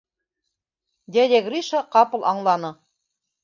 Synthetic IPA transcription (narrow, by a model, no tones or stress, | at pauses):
d̪ʲelʲeɡrʲiʃɑqɑpɤ̆lˠʔɑɴlˠɑnɤ